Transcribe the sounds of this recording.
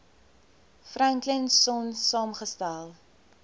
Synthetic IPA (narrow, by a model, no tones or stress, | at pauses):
fraŋklənsɔnsɑːmχəstælˠ